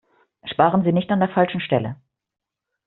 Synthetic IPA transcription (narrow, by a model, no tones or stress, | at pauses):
ʃpaːʁənziːnɪçtandeːɐfalʃn̩ʃtɛlə̰